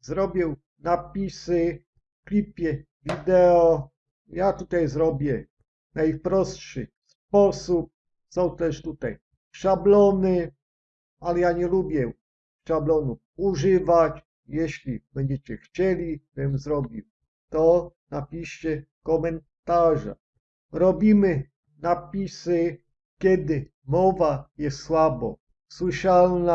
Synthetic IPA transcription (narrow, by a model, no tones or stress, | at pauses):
zɾɔbʲjɛw | napʲisɘ | fklʲipʲjɛ | vʲid̪ɛɔ | jat̪ut̪ajzɾɔbʲjɛ | najpɾɔstʂɨ̰ | spɔsup̚ | sɔ̃w̃t̪ɛʂt̪ut̪aj | ʂablɔnɘ | alɛjaɲɛlubʲjɛ | ʂablɔnu | uʒɪvat͡ɕ | jɛɕlʲimɲɛt͡ɕɛxt͡ɕɛlʲivɛmzɾɔbʲiw | t̪ɔnapʲiɕɛ | kɔmɛn | t̪aʐa̰ | ɾɔbʲimɪ | napʲisɪ | kʲjɛd̪ɪ | mɔvajɛswabɔ̰ | swɪʃalna